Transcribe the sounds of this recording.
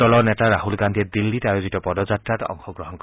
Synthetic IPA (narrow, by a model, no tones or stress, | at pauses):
ɔlɔnɛtaɾaɦulɡand̪ied̪ilːitajozitɔpɔd̪ɔd͡ʒatɾatɔ̰ŋxɔɡɾɔɦɔnk